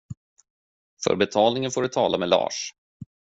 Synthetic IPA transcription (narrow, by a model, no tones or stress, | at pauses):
fœ̰ɾbɛt̪ʰɑːlnɪŋənfoːɖɵt̪ʰɑːlameːlɑ̰ːʂ